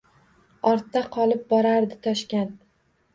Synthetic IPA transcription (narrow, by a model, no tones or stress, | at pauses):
ɒɾt̪ːaqʰɒlˠɪp̚bɒɾaɾd̪ɪt̪ʰɒʃkʲan